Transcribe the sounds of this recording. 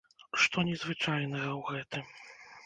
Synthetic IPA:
ʂt̪ɔnʲɛzvɨt͡ʂajnɐɣɐwɣɛt̪ɨm

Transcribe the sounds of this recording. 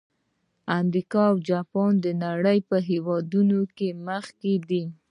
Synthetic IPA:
amɾikɑawd͡ʒɑpɑnd̪ənaɽəjpəɦewɑd̪unokeməxked̪i

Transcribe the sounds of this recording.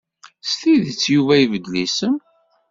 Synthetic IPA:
st̪iðət͡sːjuvæivəd̪lisəm

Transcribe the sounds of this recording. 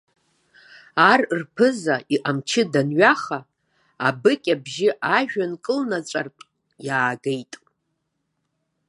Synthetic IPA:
arrpʰɨzaiʔamt͡ʃʰɪdanɥaχaː | bɨkʲʼabʒɪʔaʒᶣankʼɨlnat͡ʃʷʼartʼ | jaːɡejtʼ

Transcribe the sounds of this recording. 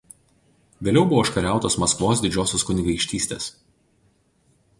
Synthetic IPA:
ʋʲeːlʲɛʊbʊʋoːʃkɐɾʲæˑʊt̪oːsmɐskʋoːsd̪ʲɪd͡ʒʲoːsʲoːskʊnʲɪɡɐɪkʃʲt̪ʲiːsʲt̪ʲḛːs

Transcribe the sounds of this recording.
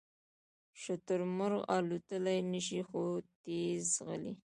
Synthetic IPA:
ʃʊt̪ʊɾmʊɾɣɑ̰lut̪əlajnəʃixot̪ezɣə̰lḭ

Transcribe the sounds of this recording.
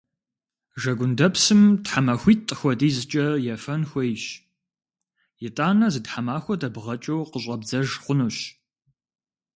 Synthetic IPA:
ʒɐɡʷʊndɐpsɨmtħamɐxʷiːtʼːɨxʷɔdiːzɨt͡ʃʼɐjɛfɐnxʷɔjʃ | jɪtʼaːnɐzɨtħamaːxʷɔdɐbʁɐt͡ʃʼɐwqəɕʼɐbd͡zɐʒχʷʊnuːɕ

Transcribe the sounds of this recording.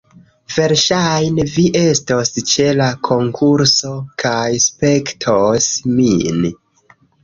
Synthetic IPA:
ve̞ɾʃajnviʔe̞stost͡ʃe̞lakʰo̞ŋkʰuɾso̞kʰajspe̞ktʰosmin

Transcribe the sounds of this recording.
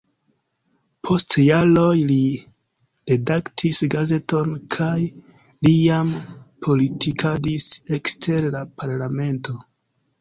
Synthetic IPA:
pʰo̞stjalo̞jli | ɾe̞daktʰisɡaze̞to̞nkʰaj | lijampʰo̞litʰikʰadise̞kstʰe̞ɾlapʰaɾlame̞nto̞

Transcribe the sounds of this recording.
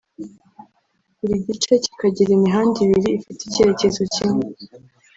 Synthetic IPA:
iɾiɟit͡ʃe̞ci̥kaɟiɾiniɦaːndiβiɾiːfiticeɾece̞zocime

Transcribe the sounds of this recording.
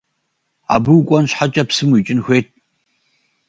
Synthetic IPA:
a̰ːbɨwkʷʼɔnɕħat͡ʃʼɐpsɨmit͡ʃʼɪnxʷeːt̚ʰʼ

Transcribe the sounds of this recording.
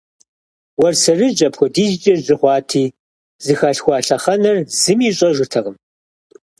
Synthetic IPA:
wɐrsɐrɨʒʼɐpʰxʷɔdiːzt͡ʃʼɐzɪχʷɑːtʰiː | zɨxaːɬxʷɑːɬɐχɐnɐrzɨmiːɕʼɐʒʷɨtʰɐʁəm

